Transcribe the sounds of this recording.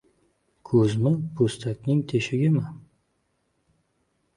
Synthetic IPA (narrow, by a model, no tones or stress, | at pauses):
kʰɵzmɪpʰost̪ʰakʲnɪŋt̪ʰeʃɪɡʲɪma